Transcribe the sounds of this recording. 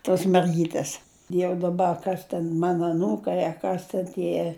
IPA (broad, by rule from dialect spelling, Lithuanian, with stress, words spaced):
toːs mʲɛrʲˈɡʲiːtʲeːs jɛʊ dɐˈbɐ ɐ ˈkɐs tʲɛn ˈmɑːnɐ ɐˈnuːkɐɪ ɐ ˈkɐs tʲɛn ˈtʲiɛ